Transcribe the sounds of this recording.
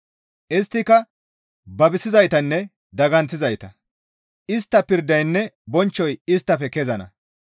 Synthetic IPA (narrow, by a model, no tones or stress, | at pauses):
ʔɪst̪ːɪkɐ | bɐbɪsɪzɐjt̪ɐnːɛ | d̪ɐɡɐnt͡sːɪzɐjt̪ɐ | ʔɪst̪ːɐpɪɾd̪ɐjnːɛbɔnt͡ʃːɔjɪst̪ːɐfɛkɛzɐnɐ̰